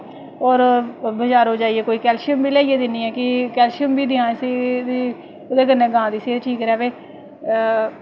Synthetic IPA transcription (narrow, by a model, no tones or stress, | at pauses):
ɔːɾbəd͡ʒaːɾɦoːd͡ʒaːieːkoːiːkɛːlʃəmbʱiːlɛːijeːd̪ɪniːɛːkɪkɛːlʃɪəmbiːd̪ɪãːɪsid̪iː | ʊd̪eːɡənːẽːɡãːd̪iːsieʈʰiːkɾɛːʋeː